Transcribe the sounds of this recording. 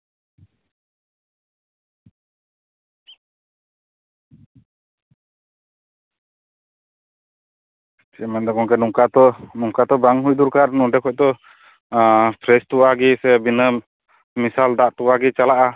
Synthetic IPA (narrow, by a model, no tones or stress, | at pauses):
sɛmand̪ɔkɔŋkɛnuŋkat̪ɔnuŋkat̪ɔbaŋɦujd̪uɾkaɾnuɖɛkʰɔc̚t̪ɔ | pʰɾɛst̪uwaɡisɛbinəm | misald̪aʔt̪uwaɡit͡ʃalaʔa